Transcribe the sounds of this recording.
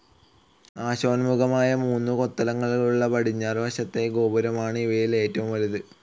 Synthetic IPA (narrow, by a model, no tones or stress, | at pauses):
aːɕoːnmuɣɐmaːjɐmuːnːuko̞t̪ːɐlɐŋːɐɭuɭːɐpɐɽiɲːaːrʋɐɕɐt̪ːe̞ɡo̞ːbɐɾɐmaːɳɨiʋɐjile̞ːtːɐʋumʋɐɾuðɨ